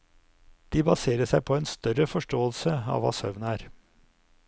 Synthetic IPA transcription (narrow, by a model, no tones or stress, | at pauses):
d̪̥iːbɑseːɾəʂæɪpʰɔeːnst̪œɾəfɔʂʈoːəlsəɑ̰ːʋɑ̰ːsœ̰ʋnæːɾ